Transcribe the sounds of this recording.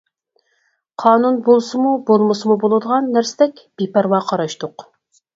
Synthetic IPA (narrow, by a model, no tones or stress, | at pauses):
qʰɑːnunbolˠsɨmubolˠmɨsɨmubolˠɨd̪əʁɑnːæɾsɪd̪ɛkʲb̥epɛɾwɑːqʰɑɾɑʃt̪ʊq